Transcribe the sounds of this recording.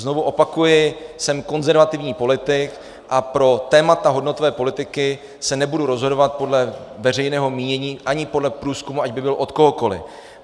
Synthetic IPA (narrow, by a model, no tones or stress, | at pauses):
zno̞vuʔo̞pakujɪsɛmko̞nzɛɾvat̪ɪvɲiːpo̞lɪt̪ɪk | ʔapɾo̞t̪ɛːmat̪aɦo̞dno̞t̪ovɛːpo̞lɪt̪ɪkɪ | sɛnɛbuduɾo̞zɦodo̞vat̪̚po̞dlɛvɛr̝ɛjnɛːɦo̞miːɲɛɲiːʔaɲɪpo̞dlɛpɾuːskumuaɟbɪbɪlʔo̞t̪ko̞ɦoko̞lɪ̰